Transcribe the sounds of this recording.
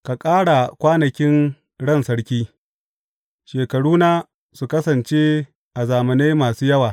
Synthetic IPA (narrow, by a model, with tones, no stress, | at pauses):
ka˨kʼaː˦ɽa˨kʷaː˦nɐ˨kʲɪ˦n | ɽɐ˦˨nsɐ˦ɽkʲiː˦ | ʃeː˨kɐ˨ɽuː˦naː˦ | su˨kɐ˦sɐ˨nt͡ʃeː˦ | ʔa˨zaː˨mɐ˨ne˦jmaː˨suː˦jɐ˦waː˨